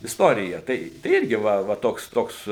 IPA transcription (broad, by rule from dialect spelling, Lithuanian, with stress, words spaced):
ɪstoːrʲɪjɛ ˈtɐɪ tɐɪ ˈɪrʲɡʲɪ ˈʋɐ ʋɐ ˈtoːks ˈtoːks